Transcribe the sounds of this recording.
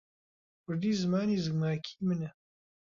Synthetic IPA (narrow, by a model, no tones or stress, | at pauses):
kʊɾd̪iːzɨmaːniːzɨɡmaːkʰi̥ːmɨnɛ